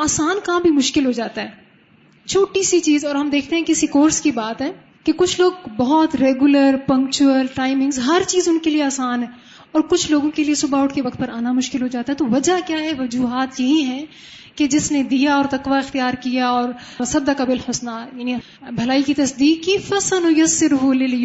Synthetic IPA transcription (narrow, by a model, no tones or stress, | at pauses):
aːsaːnkɐɦãbʱimʊʃkɪlɦod͡ʒaːt̪aɦɛː | t͡ʃʰoːʈisit͡ʃiːzɔːɾɦɐmd̪eːkʰt̪eɦɛ̃kɪsikoːɾskibaːt̪ɦɛ̃ː | kekʊt͡ʃʰloːɡ̚bɐɦɔt̪ɾeːɡʊləɾpɐ̃ŋk̚t͡ʃuəlʈaːɪmɪ̃ŋɡzɦɐɾt͡ʃiːzʊnkelieaːsaːnɦɛ̃ː | ɔːɾkʊt͡ʃʰloːɡõkeliesʊbaːʊʈkeʋɐkt̪̚pɐɾaːnamʊʃkɪlɦod͡ʒaːt̪aɦɛt̪oʋɐd͡ʒakjaːɦɛʋɐd͡ʒuːɦaːt̪jɐɦiɦɛ̃ | ked͡ʒɪsned̪ijaɔːɾt̪ɐkʋaɪxt̪ijaːɾkijaɔːɾ | sɐd̪ːəkabɪlħʊsnajaːni | bʱɐlaːikit̪ɐsd̪iːkːifɐsənmʊjɐsːɪɾɦulɪl